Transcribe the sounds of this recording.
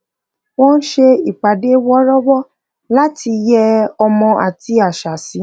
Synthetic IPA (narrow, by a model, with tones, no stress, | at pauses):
w̃ɔ̃˦˧n̩˦ʃe˧i˨k͡pa˨de˨˦wɔ˦ɾɔ˦bɔ˦ | la˦ti˧jɛ˧ɔ˧mɔ̃˧a̰˨ti˧a˨ʃa˨si˨˦